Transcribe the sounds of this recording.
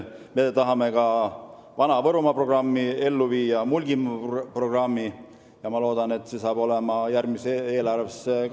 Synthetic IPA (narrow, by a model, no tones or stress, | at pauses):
me̞t̪ɑɦɑme̞kɑ | vɑnɑvɤɾumɑpro̞ɡ̥rɑmːie̞lːuviːjɑmulʲɡ̥impro̞ɡ̥rɑmːi | jɑmɑlo̞ːd̪̥ɑne̞t̪ːˑse̞sɑːb̥o̞le̞mɑjærɡmise̞ːlɑrvesːek